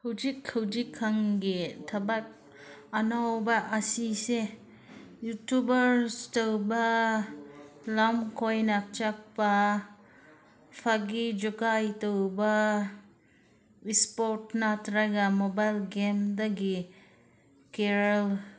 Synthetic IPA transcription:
hɐwd͡ʒikʰːɐwd͡ʒikʰːaŋɡitʰabak̚ | ɐnawbɐʔɐsise | jutubɐɾstowba | lamkʰojnak̚t͡ʃak̚pa | pʰaɡid͡ʒukajtowba | ispoɾtnatɾaɡamobajlɡemdaɡi | keɾal

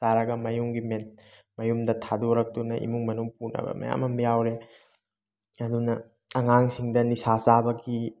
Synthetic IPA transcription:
taɾɐɡɐmɐjuŋɡimet̚ | mɐjumdɐtʰadoɾɐk̚tunɐʔḭmuŋmɐnuŋpuɾnɐ̰bɐ̰mɐ̰ja̰mɐmbijawɾe | ɐdunɐ | ɐŋaŋsiŋdɐnisasabɐɡi

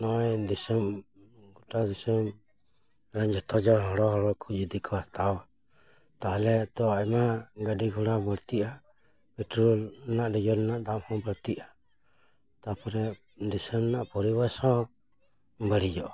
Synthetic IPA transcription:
nɔɛdisɛm | ɡutad̪isɛm | ɾaɲd͡ʒɔt̪ɔd͡ʒɔɾɦɔɾɔɦɔɾɔkʰud͡ʒid̪ikʰɔat̪awa | t̪alɛt̪ɔaɛmaɡadiɡuɾabɔɾt̪ia | pɛtɾulnaʔdɛd͡ʒɔnnaʔd̪amhɔbaɾt̪iʔa | t̪apɔɾɛ | d̪isɛmnaʔpɔɾiwasɔ | mbaɾid͡ʒɔʔ

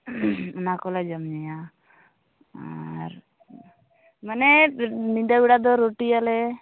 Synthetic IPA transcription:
unakɔlad͡ʒəmɲɛja | a̰ɾ | mənɛnidabiɽad̪ɔɾoʈialɛ

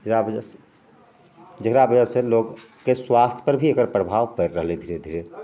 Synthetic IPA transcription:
d͡ʒɾabəd͡ʒ | d͡ʒəkɾabəd͡ʒəselok | kːeswast̪ʰjpəɾbʱiekəɾpɾəbʱaʋpəɾɾəɦled̪ʱiɾed̪ʱiɾe

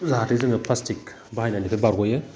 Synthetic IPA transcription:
zaatʰizɯŋɯpʰlastik̚ | bahajnanipʰebaɾɡɔjɯ

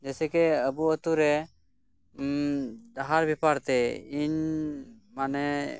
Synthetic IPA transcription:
d͡ʒɛsɛkɛəbuət̪uɾɛ | d̪aɦaɾbipaɾt̪ɛiɲ | manɛ

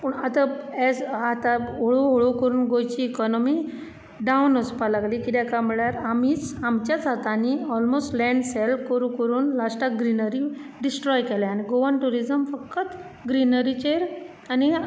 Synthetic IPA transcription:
pəɳat̪aɛd͡zat̪aoɭoɦoɭokəɾuːnɡojt͡ɕiːkɔnɔmi | ɖawnəspalaɡlikit̪ɛkam̤iɭjaɾamiːt͡samt͡ɕjad͡zat̪aniɔlmosʈlɛ̃ɳɖsɛlkəɾukəɾuːnlasʈaɡɾinəɾi | ɖisʈɾɔjkɛlaañiɡoʋənʈuɾizəmfəkːət̪ | ɡɾinəɾit͡ɕeɾ | ani

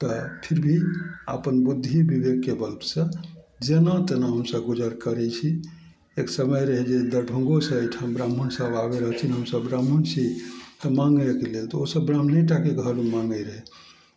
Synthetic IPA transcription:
t̪əpʰiɾbʱia̰pənbud̪ʱːibibeɡ̚kːebəlt̪sə̃ | d͡ʒenat̪enaɦəmsəbɡud͡ʒəɾkəɾɛt͡ʃʰi | eksəməjɾəɦɛd͡ʒed̪əɾɖʱũŋɡosə̃əjʈʰəmbɾamːunsəbabeɾəɦəlt͡ʃʰinɦəmsəbɾamːunsitmaŋɡekelelt̪ɔosəbːɾam̤neʈ̬akekəɦəlumãŋɡəɾəɦɛ

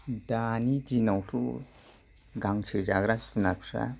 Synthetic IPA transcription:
danitinawsʰṵ | ɡaŋt͡ʃʰɯd͡ʒaɡɾassunapʰsa̰

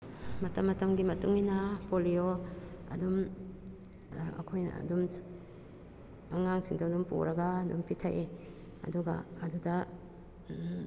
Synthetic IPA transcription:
mɐtɐmːɐtɐmɡimɐtuŋinapolioɐ̰dum | ɐ̰kʰojn̰dum | ɐŋaŋsiŋtʰawdumpo̰ɾɐɡaːdṵmpitʰaʔe | ɐ̰duɡa̰ɐdudɐ

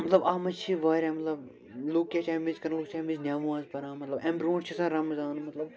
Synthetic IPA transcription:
mɐt̪lɐbaːmɐt͡ʃʰiʋaːɾʲaːmɐt̪lɐb | luːk̚kʲaːt͡ʃʰaːmizkɐɾluːk̚t͡ʃʰaːmiznʲaːʋãːzpɐɾaːmɐt̪lɐbembɾõːʈt͡ʃʰisɐ̃ɾɐmɐzaːnmɐt̪lɐb

